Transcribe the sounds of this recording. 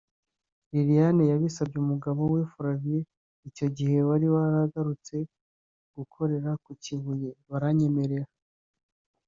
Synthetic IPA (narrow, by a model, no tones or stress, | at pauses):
ɾiɾijanejaβisabɟeumuɡaβo̞wefuɾavie | ico̞ɟihe̞waɾiβaɾaɡaɾut͡se̞ | ɡ̥ukʰo̞ɾe̞ɾakuciβujeβaɾaɲe̞me̞ɾe̞ɾa